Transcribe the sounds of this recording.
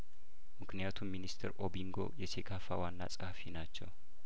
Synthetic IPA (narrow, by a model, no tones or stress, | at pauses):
mɨkʰnijat̪ʰumːinist̪ʰɨɾʔobiŋɡo̞̰jɛsekʰafawanːa̰sʼɨhfinat͡ʃːɛw